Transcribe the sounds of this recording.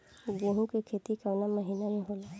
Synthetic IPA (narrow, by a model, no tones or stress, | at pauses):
ɡoːɦũkekʰeːt̪ikəŋnaməɦiːnamẽɦoːla